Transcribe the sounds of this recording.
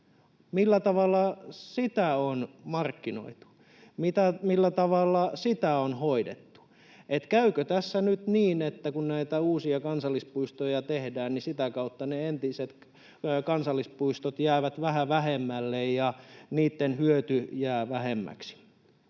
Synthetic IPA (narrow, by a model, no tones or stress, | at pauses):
milːæt̪ɑʋɑlːɑsit̪æonmɑrkːino̰it̪u̥ | mit̪æmilːæt̪ɑʋɑlːɑsit̪æonhoidḛt̪ːu̥ | et̪kæykøt̪æsːænyt̪niːnet̪ːækunnæit̪æuːsiɑkɑnsɑlːispuist̪ojɑt̪ehdæːnnisit̪ækɑut̪ːɑneent̪iset̪ | kɑnsɑlːispuist̪ot̪jæːʋæt̪ʋæhæʋæhemːælːejjɑniːt̪ːenhyøt̪yjæːʋæhemːæ̰ksi̥